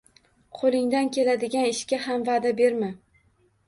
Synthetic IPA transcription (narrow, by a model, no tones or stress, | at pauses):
qʰolˠɪŋd̪ankʲʰe̞lad̪ɪɡʲanɪʃkʲahamvaːd̪abe̞ɾma